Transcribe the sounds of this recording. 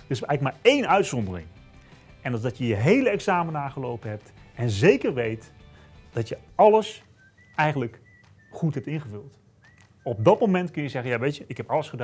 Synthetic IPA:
dəɪsɛjləkmaːɹejnœɥtsɔndərɪ̰ŋ | ɛnlzdɑtjəjəɦejləɛksaːmənaːχəlowpənɦɛp̚tɛnzejkərʋejt | d̥ɑtjəɑləs | ɛjχənlək | χutɦɛp̚tɪnχəvɵlˠt | ɔb̚dɑtmomɛntkɵnjəzɛχənjaːʋejtəʔɪkɦɛpɑləsχəda

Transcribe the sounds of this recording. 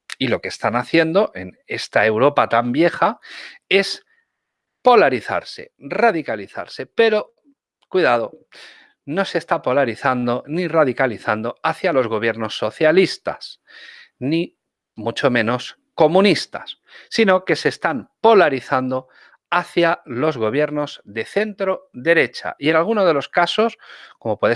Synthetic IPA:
ilo̞ke̞st̪anaθje̞nd̪o̞ʔḛn | e̞st̪ae̞wɾo̞pat̪ambje̞xae̞s | po̞laɾiθa̰ɾse̞̰raðikaliθa̰ɾse̞pe̞ɾo̞ | kwiðað̞o̞ | no̞se̞st̪apo̞laɾiθand̪o̞nirað̞ikaliθand̪o̞aθjalo̞zɣ̞o̞βje̞ɾno̞sːo̞θjalist̪a̰s | ni | mut͡ʃo̞mẽ̞no̞s | ko̞mũnist̪a̰sː | ino̞ke̞se̞ːst̪ampo̞laɾiθand̪o̞ | aθjalo̞zɣo̞β̞je̞ɾno̞zðe̞θe̞nt̪ɾo̞ðe̞ɾe̞t͡ʃa̰ie̞nalɣ̞unoðe̞lo̞skaso̞skomo̞pwe̞e

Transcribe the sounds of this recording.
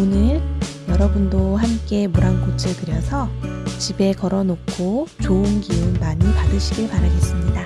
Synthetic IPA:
onɯɭjʌɾʌbundohamk͈e̞muɾankot͡ɕʰɯɭkɯɾjʌsʰʌt͡ɕibe̞kʌɾʌnok͈ʰot͡ɕoɯnkiɯnmaɲipadɯɕʰiɡiɭpaɾaɡe̞s͈ɯmɲida

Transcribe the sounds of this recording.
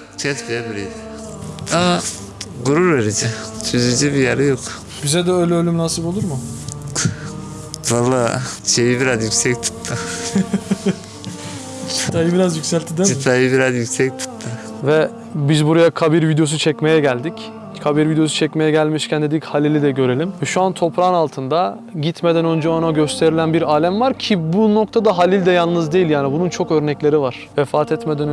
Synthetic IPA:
t͡ʃʰɛt̪peabiɾejd̪ɛ | a | ɡuɾuɾveɾid͡ʒɛt͡ʃʰyzyd͡ʒibijaɾɛjok | bizɛd̪ɛøjlʲɛølʲymnaːsɯbo̞lˠuɾmʊ | valˠːaːt͡ʃʰejibiɾazjycsɛc̚t̪ʰu̥t̪ːʰɯ | t͡ʃʰit̪ʰajɯbiɾazjycʲsælʲt̪ʰid̪ɛit̪ʰajibiɾazjycsɛc̚t̪ʰu̥t̪t̪ʰːɯ | vɛ | bizbuɾajakʰabiɾvid̪ejo̞s̬ut͡ʃʰɛcme̞jɛɟælʲd̪ic | kʰabiɾvid̪eo̞sut͡ʃʰɛcme̞jɛɟælʲmiʃcʰænd̪e̞d̪ichalʲilʲid̪ɛɟø̞ɾe̞lʲimvɛʃuant̪ʰo̞pʰɾanalˠt̪ʰɯnd̪a | ɟit̪me̞d̪ænønd͡ʒɛanaɟø̞st̪ʰe̞ɾilʲænbiɾaːlʲæmvaɾcʰibuno̞k̚t̪ʰad̪aɦalʲilʲd̪ɛjalˠnɯzd̪ejilʲjaːnibununt͡ʃʰo̞kø̞ɾnɛclʲe̞ɾivaɾ̥vɛfaːt̪ʰɛt̪me̞d̪æn

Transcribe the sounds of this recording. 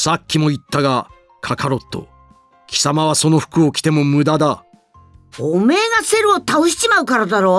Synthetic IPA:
sakʲːimo̞it̪ːaɡa | kʰakʰaɾo̞t̪ːo̞̰ | kʲi̥samaβaso̞no̞ɸɯ̥kɯ̟okʲi̥t̪e̞mo̞mɯ̟d̪ad̪a | ɸoːmeːɡase̞ɾɯ̟ot̪aoɕi̥t͡ɕimaɯ̟kaɾad̪aɾo̞

